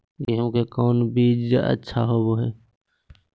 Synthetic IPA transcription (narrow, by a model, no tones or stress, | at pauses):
jeɦə̃mkekɔːnbiːd͡ʒə̰tːʃʰa̰ɦoboɦeː